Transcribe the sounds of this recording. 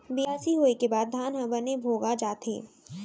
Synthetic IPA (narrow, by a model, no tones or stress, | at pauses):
bɪjaːsiɦoːekebaːd̪̚ːʱaːnɦə̃bənebʱoːɡad͡ʒaːt̪ḛ̃ː